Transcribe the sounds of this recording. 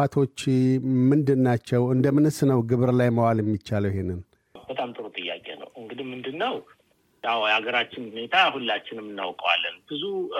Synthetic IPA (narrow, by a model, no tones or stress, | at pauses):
at̪ʰo̞t͡ʃːmɨnd̪ɨnːat͡ʃːɛwɨnd̪əmɨnɨsnəwɡɨβɨɾlajməwaljɛmːit͡ʃːaləwjɪɦenːɨn | bət̪ʼamt̪ʼɨɾut̪ʼɨjːa̰kʼḛnə̰wɨŋɡɨd̪imɨnd̪ɨnːəw | jawhaɡəɾat͡ʃːɪnhunet̪ʰahulːat͡ʃːɪnɨmːɨnːa̰wkʼəwa̰lːənb̥ɨzu